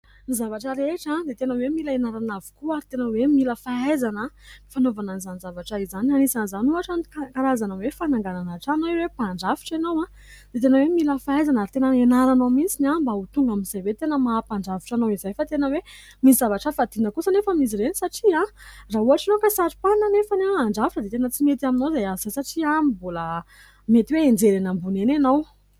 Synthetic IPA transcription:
nizavaʈ͡ʂəɾeʈ͡ʂad̪et̪enəwemilaenaɾanavi̥kuaɾit̪enəwemiləfaajzanəmifanovananizanizavaʈ͡ʂaizananisanzanuaʈ͡ʂankaɾazanəwefanaŋɡananaʈ͡ʂanaewepaɳɖ͡ʐafi̥ʈ͡ʂenowã | d̪̥et̪enəwemiləfaajzanaɾt̪enəenaɾanomint͡sinambaut̪uŋɡaminzajvwet̪enəmaːpaɳɖ͡ʐavi̥ʈ͡ʂanowizajfat̪enəwe | misizavaʈ͡ʂəfad̪inəkusənefəmiz̬iɾenisaʈ͡ʂiarauaʈ͡ʂanowkasaɾi̥pananefanaaɳɖ͡ʐafiʈ͡ʂəd̪et̪enət͡simet̪aminowzeaz̥ajsaʈ͡ʂiamibolə | met̪iweend͡zeɾenambunenanow

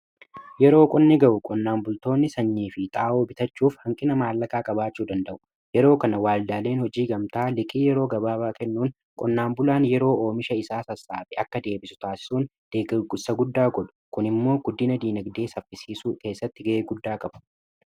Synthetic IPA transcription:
jɛɾo̞ːkʼɔnːɪɡɐʔʊkʼɔnːaːmbʊlt̪o̞ːnːɪsɐɲːiːfɪt̪ʼaːʔoːbɪt̪ɐt͡ʃːuːfhɐŋkʼɪnɐmaːlːɐkaːkʼɐbaːt͡ʃːuːd̪ɐnd̪ɐʔʊ̥ | jɛɾo̞ːkɐnɐwaːld̪aːle̞ːnhɔd͡ʒiːɡɐmt̪aːlɪkʼiːjɛɾo̞ːɡɐbaːbaːkɛnːuːŋ | kʼɔnːaːmbʊlaːnjɛɾo̞ːo̞ːmɪʃɐɪsaːsɐsːaːfɪɐkːɐd̪e̞ːbɪsʊ̥t̪aːsɪ̥suːn | d̪̥eːɡɡʊsɐɡʊd̪ːaːɡɔᶑʊ̥kʊnɪmːo̞ːɡ̥ʊd̪ːɪnɐd̪iːnɐɡd̪e̞ːsɐfːɪsiːsuːke̞ːsːɐt̪ːɪɡɐʔeːɡʊd̪ːaːkʼɐbʊ̥

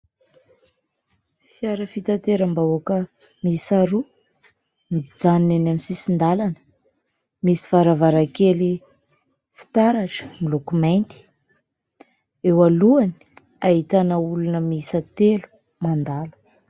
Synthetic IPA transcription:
fiaɾəfit̪at̪eɾambawakə | misaɾu | mid͡zaninanaminsisind̪alanə̥ | misi̥faɾavaɾakeli | fi̥t̪aɾaʈ͡ʂə̥milukumajnt̪i̥ | ewaluani̥ | aɦit̪anaulunəmisət̪elu̥ | mand̪alu̥

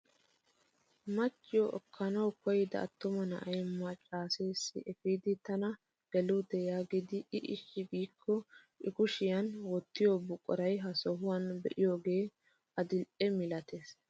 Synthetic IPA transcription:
mɐt͡ʃːɪjɔʔɔkʰːɐnɐwkɔjɪd̪ɐ̰ɐ̰t̪ːʊmɐnɐʔɐjmːɐt͡ʃʼaːse̞ːsːɪ̰ʔɛfiːd̪ɪt̪ɐnɐ | ɡ̥ɛlʊd̪ɛjaːɡɪd̪ɪʔɪʔɪʃːɪbiːkʰːɔ | ʔɪkʊʃɪjɐnwɔt̪ːɪjoːbʊkʼɔɾɐjɦɐsɔɦʊwɐnbɛ̰ʔɪjo̞ːɡe̞ː | ʔɐd̪ɪlʔɛmɪlɐt̪e̞ːs

